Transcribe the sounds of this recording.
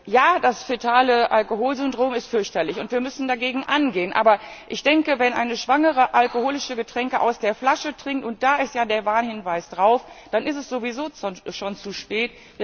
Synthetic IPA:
jaːdasfetʰaːləʔalkoɦoːlzʏndʁoːmɪstfʏɐçtɐlɪçʊntv̥iːɐmʏsn̩daɡeːɡŋ̩ʔanɡeːənʔa̰ːbɐ | ʔɪçd̥ɛŋkəvɛnʔa̰ɪnəʃv̥aŋəʁəʔalkohoːlɪʃəɡətʁ̥ɛŋkəʔa̰ʊsd̥eːɐflaʃətʁ̥ɪŋktʊnt̚d̥aːɪstjaːdeːɐvaːnhɪnvaɪsd̥ʁaʊfd̥anɪstɛsz̥ovizoːt͡sʃoːnt͡suʃpɛːt

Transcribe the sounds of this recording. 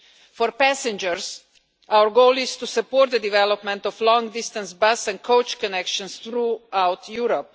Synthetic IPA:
fɔɾpæsɛ̃nd͡ʒəɾs | awəɾɡoʊlist̪usəpɔːɾt̪̚d̪əd̪ivɛlɔpmɛ̃nt̪ɔflɔ̃ŋɡd̪ist̪ə̃nsbasɛ̃n̚kʰoʊt͡ʃkɔnɛkʃɔ̃nsθɾuawt̪ʰjuɾɔp̚

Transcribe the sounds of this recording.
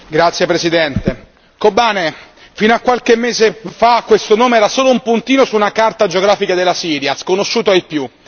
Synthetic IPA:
ɡɾat̪sːjepɾesid̪ɛnt̪e | kobaːne | finoakːwalk̟emːeːzefakːwest̪onoːmeɛːɾasoːloumpunt̪iːnosuːnakart̪ad͡ʒeoɡɾaːfikad̪elːasiːɾjaskonoʃːuːt̪oaipju

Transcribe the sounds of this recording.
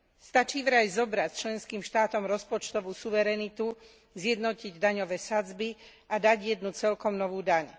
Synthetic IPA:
st̪at͡ʃiːʋɾajzɔbɾat͡ʃlɛnskiːmʃt̪aːt̪ɔmɾɔspɔt͡ʃt̪ɔʋuːsuʋɛɾɛnit̪u | zjɛd̪nɔciɟd̪aɲɔʋɛːsad͡zbi | ʔad̪aɟjɛd̪nut͡sɛlkɔmnɔʋuːd̪aɲ

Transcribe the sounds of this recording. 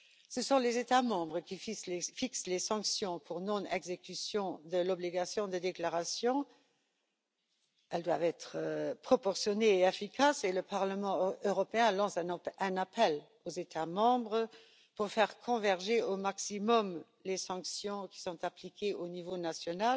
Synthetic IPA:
səsɔ̃lezet̪amɑ̃bʁəkifsfikslesɑ̃ksjɔ̃pʰuʁnɔ̃nɛɡzekysjɔ̃d̪əlɔbliɡasjɔ̃d̪əd̪eklaʁasjɔ̃ | ɛld̪wavɛt̪χəpχɔpɔʁsjɔneːefikʰaseləpaʁləmɑ̃øʁɔpeɛ̃lɑ̃sɛ̃napɛl | ozet̪ʰamɑ̃ːbʁə | puʁfɛʁkʰɔ̃vɛʁʒeomaksimɔm | lesɑ̃ksjɔ̃ki̥sɔ̃t̪aplikʰeʔonivonasjɔnal

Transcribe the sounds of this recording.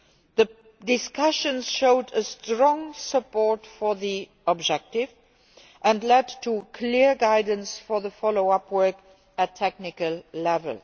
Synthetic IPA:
ðə | dɪskʌʃə̃nz̥ʃoʊdəstɹɔ̃ŋsəpɔɹtfɔ˞ði | əb̚d͡ʒɛk̚tɪv | ʔə̃nlɛdtʰukʰliɹɡaɪdn̩sfɔ˞ðəfɔloʊʌpʰwɜ˞k | ətʰɛk̚nɪkəllɛvə̰lˠ

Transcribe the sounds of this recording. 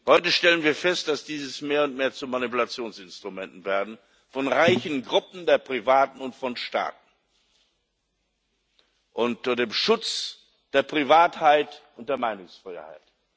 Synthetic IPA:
hɔʏtəʃtɛlənviːɐfɛst̚d̥asd̥iːzəsmeːɐʊntmeːɐt͡sumanipulat͡sjoːnsɪnstʁ̥umɛntn̩veːɐdn̩ | fɔnʁaɪçn̩ɡʁʊpm̩deːɐpʁ̥ivaːtn̩ʊntfɔnʃta̰ːt̚n̩ | ʔʊnt̚deːmʃʊt͡s | d̥eːɐpʁ̥ivaːthaɪtʊnt̚d̥eːɐmaɪnʊŋsfʁ̥a̰ɪha̰ɪt

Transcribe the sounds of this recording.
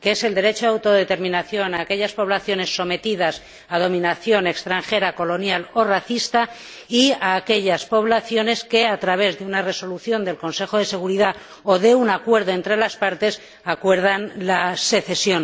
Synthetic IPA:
keese̞ld̪e̞ɾe̞t͡ʃoawt̪o̞ðe̞t̪e̞ɾmĩnaθjo̞naːke̞ʎaspo̞βlaθjo̞ne̞sːo̞me̞t̪iðas | að̞o̞mĩnaθjo̞ne̞kst̪ɾaŋxe̞ɾako̞lo̞njalo̞raθist̪a | iaːke̞ʎaspo̞β̞laθjo̞ne̞ske̞at̪ɾaβ̞e̞zðeunare̞so̞luθjo̞nd̪e̞lko̞nse̞xoð̞e̞se̞ɣ̞uɾiða | oðe̞unakwe̞ɾðo̞e̞nt̪ɾe̞laspaɾt̪e̞s | akwe̞ɾð̞anlase̞θe̞sjo̞n

